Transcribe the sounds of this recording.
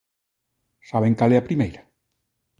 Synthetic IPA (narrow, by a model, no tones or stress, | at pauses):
saβ̞eŋkalɛɐpɾimejɾɐ